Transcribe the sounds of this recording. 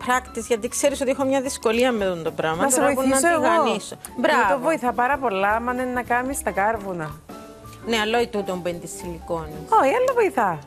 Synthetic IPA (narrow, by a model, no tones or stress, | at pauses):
pɾɐkt̪izʝɐt̪ikse̞ɾisot̪iexomɲɐðisko̞liɐmːeðond̪o̞pɾɐmɐt̪ɐseɾvoipunɐsoeɣɣɐoniso | bɾɐt̪ovoiθɐpɐɾɐpo̞lːɐmɐnenːɐkɐmist̪ɐkɐɾvunɐ | neɐlːoit̪ut̪ombend̪isilikonioiɐnd̪ovoiθɐ